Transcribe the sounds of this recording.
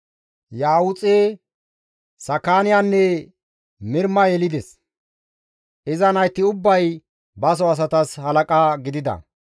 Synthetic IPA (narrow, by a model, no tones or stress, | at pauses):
jaːwʊt͡sʼe | sɐkːaːnɪjanːɛ | mɪɾmɐjɛlɪd̪ɛs | ʔɪzɐnɐjt̪ːɪʊbːɐj | bɐs̬ɔɐs̬ɐt̪ɐshɐlɐkʼaːɡɪd̪ɪd̪ɐ̰